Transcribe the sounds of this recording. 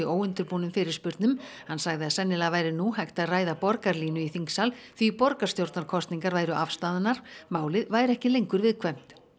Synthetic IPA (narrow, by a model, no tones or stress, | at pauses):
ioːwʏnt̪ʏɾpuːnʏmfɪɾɪɾ̥spʏɾt̪nʏm | hanːsaɣðɪaðsɛnːɪlavaːjɾɪnuhajxt̪aðraːjðapɔɾkaɾliːnʏiθiŋksalθvipɔɾkḁst̪jowɾt̪naɾ̥kʰɔst̪niŋkaɾvaːjɾʏʔafst̪aːðɪnːaɾ̥maːwlɪðvaːjɾɛhcɪlejŋkʏɾvɪðkʰvɛm̥t̪